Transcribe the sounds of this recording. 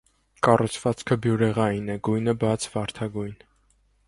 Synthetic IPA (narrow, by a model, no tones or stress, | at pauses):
kɑrut͡sʰvɑt͡skʰəbjuɾɛʁɑjinɛɡujnəbɑt͡sʰvɑɾt̪ʰɑɡujn